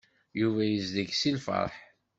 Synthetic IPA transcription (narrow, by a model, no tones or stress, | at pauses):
juvæjəzðəɡsilfə̰ɾˤħ